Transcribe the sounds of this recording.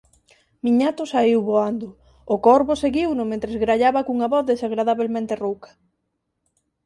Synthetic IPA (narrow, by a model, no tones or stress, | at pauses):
miɲat̪ʊsaiwβoand̪ʊː | kɔɾβoseɣiwnʊmẽnt̪ɾezɣɾaʎaβɐkuŋaβɔθðesaɣɾaðaβelmẽnt̪erowkɐ̥